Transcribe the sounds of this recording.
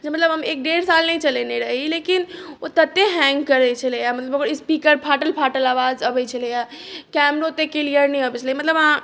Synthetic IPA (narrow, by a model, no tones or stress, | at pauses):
d͡ʒemət̪ləbɦəmek̚ɖeɽsalnət͡ʃəleneɾəɦilekinot̪ət̪ːeɦɛ̃ŋɡkəɾɛt͡ʃʰəlejamət̪ləbokəɾispikəɾpʰaʈəlpʰaʈəlaʋazəbɛt͡ʃʰəlɛjakɛmɾot̪ekeliəɾnɛəbɛt͡ʃʰəlimət̪ləbã